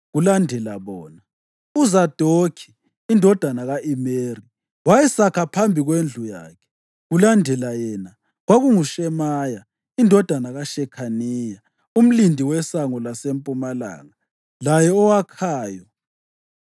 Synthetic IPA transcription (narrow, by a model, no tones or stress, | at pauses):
ɣulandʱɛlaβɔːna | uzad̥ʱokʰi̥ː | ndʱɔd̥ʱanaɣaʔimeːri | wajɛsakʰapʰambʱiɣwend͡ɮʱuja̰ːkʰɛ̥ | ɣulandʱɛlajɛna | ɣwaɣuŋuʃɛmaja | indʱɔd̥ʱanaɣaʃɛkʰaniːja | um̩lindʱiwɛsaŋɔlasempʼumala̰ːŋa | lajɛɔwakʰaːjɔ